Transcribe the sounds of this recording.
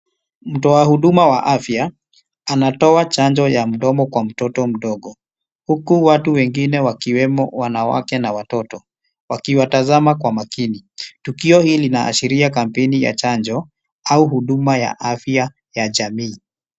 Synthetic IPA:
m̩tɔahuɗumawaʔafja | anatɔat͡ʃaɲd͡ʒɔjam̩ɗɔmɔkwam̩tɔtɔm̩ɗɔɠɔ | hukuwatuwɛŋɡinɛwakiwɛmɔwanawa̰kɛnawatɔtɔ | wakiwatazamakwamakinitukiɔhiːlina̰ːʃiɾiakam̩pɛnija̰t͡ʃaɲd͡ʒɔ | auhuɗumaja̰ʔafja | jaʄamiː

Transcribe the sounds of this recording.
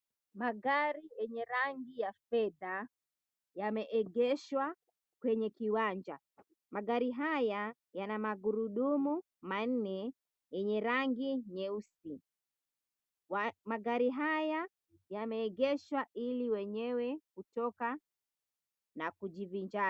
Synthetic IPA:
maɡaɾijɛɲɛɾaŋɡijafɛða | jamɛʔɛɡɛʃwa | kwɛɲɛkiwand͡ʒa | maɡaɾiɦaja | janamaɡuɾuɗumu | man̩nɛ | jɛɲɛɾaŋɡiɲɛusi | maɡaɾiɦaja | jamɛːɡɛʃwaʔiliwɛɲɛwɛkutɔka | nakud͡ʒivind͡ʒa

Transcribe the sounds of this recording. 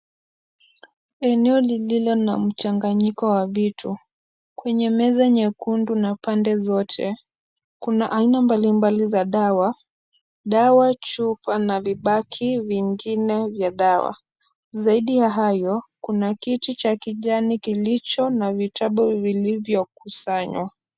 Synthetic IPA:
ɛnɛɔlililɔnam̩t͡ʃaŋɡaɲikɔwavitʰu | kwɛɲɛmɛzaɲɛkundunapandɛzɔtʰɛ | kunaʔainambalimbalizaɗawa | ɗawat͡ʃupanaviɓakʰiviŋɡinɛvjaɗawa̰ | zaiɗijaɦajɔkunakitit͡ʃakiʄanikilit͡ʃɔnavitʰaɓɔvilivjɔkusaɲwa

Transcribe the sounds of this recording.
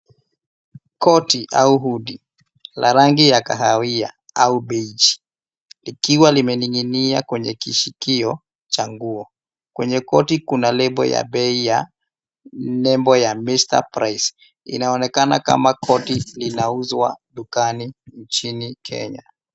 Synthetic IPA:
kɔtiʔa̰uɦuɗi | laɾaŋɡijakaɦawia̰ | auɓɛit͡ʃi̥ | likiwalimɛniŋiniakwɛɲɛkiʃikiɔ | t͡ʃaŋɡuɔ | kwɛɲɛkɔtikunalɛbɔ̰ja̰ɓɛija | nɛmbɔjamista̰pɾais | ḭnaɔnɛkanaka̰makʰɔtilinauzwa̰ɗukaniɲt͡ʃinikʰɛ̰ɲa

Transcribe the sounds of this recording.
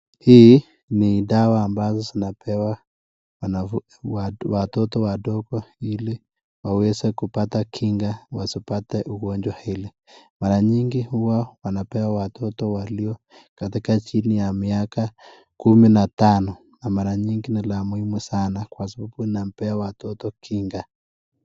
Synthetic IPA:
hi | nidawaːmbazɔzinapʰɛwa | wana | watɔtɔwadɔkɔili | wawɛzɛkupatakʰiŋɡawasipatɛʔuɣɔɲd͡ʒwahili | maɾaɲiŋɡihuwawanapɛwawatʰɔtɔwaliɔ | katikat͡ʃinijamiaka | kuminatanɔ | namaɾaɲiŋɡinilamuimwɛsanakwas̬ababuinam̩pɛawatɔtɔkʰiŋɡa

